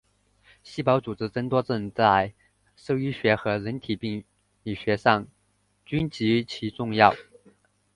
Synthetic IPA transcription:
ɕi˥˩pɑ˧˥ʊt͡su˨˩ʈ͡ʂɻ̩˧˥t͡sə˧˥ŋt̪wɔ˥t͡sə˥˧ŋt͡sa˥˩ɪ | ʂɤ˥˩y˥ɕɥɛ˧˥xɤ˧˥ɻə˧˥nt̪ʰi˨˩pi˥˩ŋ | li˨˩ɕɥɛ˧˥ʂɑ˥˩ŋ | t͡ɕy˥nt͡ɕi˧˥t͡ɕʰi˧˥ʈ͡ʂʊ˥˧ŋjɑ˥˩ʊ

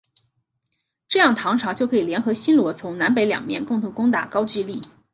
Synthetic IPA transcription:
ʈ͡ʂɤ˥˧jɑ˥˩ŋt̪ʰɑ˧˥ŋʈ͡ʂʰɑ˧˥ʊt͡ɕjo˥˩ʊkʰɤ˧˥i˨˩ljɛ˧˥nxɤ˧˥ɕi˥nlwɔ˧˥t͡sʰʊ˧˥ŋna˧˥np̬e˧˥ɪljɑ̰˨˩ŋmjɛ̰˥˧nkʊ˥˩ŋt̪ʰʊ˧˥ŋkʊ˥ŋt̪a̰˨˩kɑ˥ʊt͡ɕy˥˧li˥˩

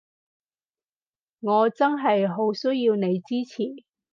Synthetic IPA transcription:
ŋɔː˨˧t͡sɐ˥nɦɐ˨jɦo˨˧˥wsɵ˥ɥjiː˧wne˨˧jt͡siː˥t͡sʰiː˨˩

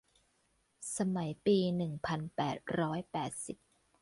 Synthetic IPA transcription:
sa˧ma˩˦jpiː˧nɯ˨˩ŋpʰa˧npɛː˨˩t̪̚ɾɔː˦˥jpɛː˨˩t̪̚si˨˩p̚

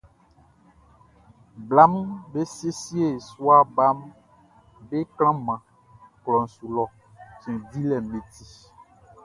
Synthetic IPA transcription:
bla˦mbe˦se˦si˦e˦˨su˦a˦ba˦m | be˦klã˦mã˨ | klɔ˨n̩˨su˨lɔ˨ | t͡ʃɛ̃˨di˦lɛ˨mẽ˨t̪i˦

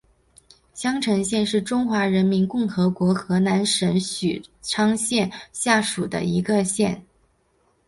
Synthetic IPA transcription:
ɕjɑ˥ŋʈ͡ʂʰɤ˧˥ŋɕjɛ˥˧nʂɻ̩˥˩ʈ͡ʂʊ˥ŋxwa˧˥ɻə˧˥nmi˧˥nkʊ˥˩ŋxɤ˧˥kwɔ˧˥xɤ˧˥na˧˥nʂə˧˥nɕy̰˨˩ʈ͡ʂʰɑ˥ŋɕjɛ˥˧nɕja˥˩ʂu˨˩d̪ə̰˦i˧˥ɡə˧ɕjɛ˥˩n

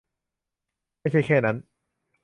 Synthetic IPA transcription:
ma˥˩jt͡ɕʰa˥˩jkʰɛː˥˩na˦˥n

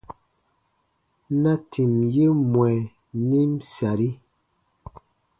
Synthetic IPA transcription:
na˦tʰi˨mje˦mwɛ˨ | ni˦msa˨ɾi˦

